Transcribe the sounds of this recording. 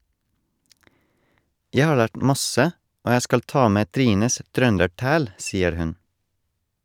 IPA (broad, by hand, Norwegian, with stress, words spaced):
ˈjæɪ ˈhɑː ˈɭæːʈ m ˈmɑsə ˈoː ˈjæɪ ˈskɑl ˈtɑː ˈmeː ˈtɾiːnəs ˈtɾœndəˌʈæːl ˈsiːəɾ ˈhʉn